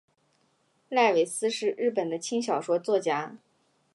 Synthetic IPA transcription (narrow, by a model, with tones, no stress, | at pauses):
la˥˩ɪwe˨˩ɪsɹ̩˥ʂɻ̩˥˧ɻ̩˥˩pə˨˩nd̪ə˦t͡ɕʰi˥ŋɕjɑ˨˩ʊʂwɔ˥t͡swɔ˥˩t͡ɕja˧˥